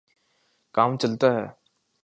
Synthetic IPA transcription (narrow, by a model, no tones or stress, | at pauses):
kaːmt͡ʃɐlt̪aɦɛː